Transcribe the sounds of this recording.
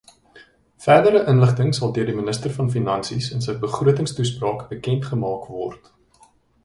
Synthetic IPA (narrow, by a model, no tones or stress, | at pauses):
færdəɾəʔənləχtəŋsɐlˠdøərdimənəstərfɐnfinɐnsisəns̬əjkbəχruətəŋstusprɑːkbəkɛntχəmɑːkvɔrt